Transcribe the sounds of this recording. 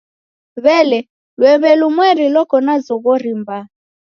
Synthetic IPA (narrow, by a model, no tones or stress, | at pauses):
βɛlɛ | lwɛβɛlumwɛɾilɔkɔnazɔɣɔɾimba